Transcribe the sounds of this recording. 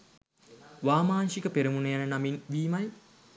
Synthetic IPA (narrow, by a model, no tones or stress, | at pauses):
ʋaːmaːnʃikəpeɾɐmunəjanənaminʋiːmɐj